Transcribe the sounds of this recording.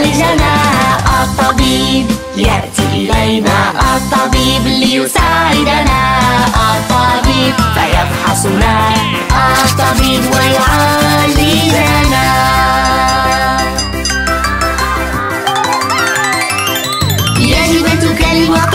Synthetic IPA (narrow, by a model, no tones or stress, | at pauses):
ld͡ʒanaːʔat̪ˤːɑbiːb | jaʔt̪iʔɪlajna̰ːʔɑt̪ˤːɑbiːblɪjʊsaːʕʕɪd̪anaːʔɑt̪ˤːɑːbiːbfajɑbħɑsˤ | naː | ʔat̪ˤːɑbiːbwajʊʕaːlːilana | jad͡ʒɪbat̪ʊkalwɑq